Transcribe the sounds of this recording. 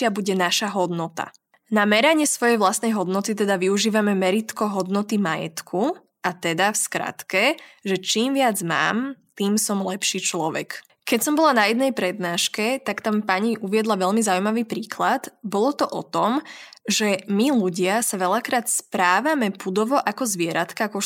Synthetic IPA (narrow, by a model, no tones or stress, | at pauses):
abuɟɛnaʃaɦɔd̪nɔt̪a̰ | namɛɾaɲɪɛsʋɔjɛjʋlast̪nɛjɦɔd̪nɔt̪it̪ɛd̪aʋiuʒiːʋamɛmɛɾit̪kɔɦɔd̪nɔt̪imajɛ̰t̪kʰu | ʔat̪ɛd̪afskɾa̰t̪kɛʒɛt͡ʃiːmʋɪad͡zma̰ːmt̪iːmsɔmlɛpʃiːt͡ʃlɔʋɛ̰k | kɛcsɔmbɔlanajɛd̪nɛjpɾɛd̪̚naːʃkɛt̪akt̪ampaɲiʔuʋɪɛd̪laʋɛlmizaujmaʋiːpɾiːklat̪bɔlɔt̪ɔʔɔt̪ɔmʒɛmiluɟɪasaʋɛʎakɾaːt̪spɾaːʋamɛpud̪ɔʋɔʔakɔzʋɪɛɾat̪kaakɔ